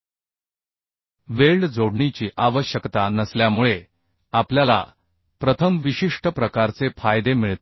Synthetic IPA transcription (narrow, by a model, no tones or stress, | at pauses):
ʋeɭɖd͡zoɽɳit͡ɕiːʔaʋəɕjəkt̪anəsljamuɭe | apljala̰ | pɾət̪ʰəmʋiɕiʂʈəpɾəkaɾt͡sefajd̪emiɭt̪